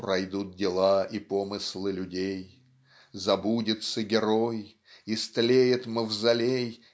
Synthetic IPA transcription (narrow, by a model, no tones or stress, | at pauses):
prɐjd̪ut̪̚dʲɪlˠaipomɨslˠɨlʲʉdʲej | zɐbudʲɪt̪səɡʲɪɾoj | ɪst̪lʲejɪt̪məvzɐlʲej